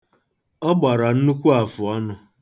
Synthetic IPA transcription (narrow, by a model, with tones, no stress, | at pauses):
ɔ˦ɡ͡ba˨ɾa˨n̩˦nu˦kʷu˦a˨fʊ˨ɔ˦nʊ˨